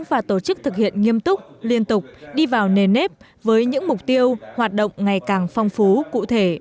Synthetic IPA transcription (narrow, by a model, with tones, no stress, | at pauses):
ŋvaː˨˩t̪o˧˩t͡ɕɨ˦˥k̚t̪ʰɨ˨˩k̚hḭ˧˨ənŋi˧əmt̪ʊ˦˥k͡p̚li˧ənt̪ʊ˨˩k͡p̚ɗi˧vaː˨˩wne˨˩ne˦˥p̚ | vəː˨˦jɲɨ̰˧˥ŋmʊ˨˩k͡p̚t̪i˧əwhwaː˨˩t̚ɗo̰˧˨wŋ͡mŋa˨˩jkaː˨˩ŋfa˧wŋ͡mfu˨˦kṵ˧˨t̪ʰe˧˩